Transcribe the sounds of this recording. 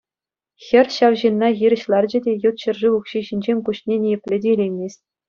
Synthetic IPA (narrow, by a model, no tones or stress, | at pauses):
xʲɘ̆rʲɕɑwʑinːɑɣiɾʲɘ̆ɕlˠɑrd͡ʑɘ̆dʲejut̪ɕɤ̆rʐiukɕiɕinʲd͡ʑenʲkuɕnʲenʲijɘ̆pʲlʲɘ̆dʲeilʲejmʲes̚ʲ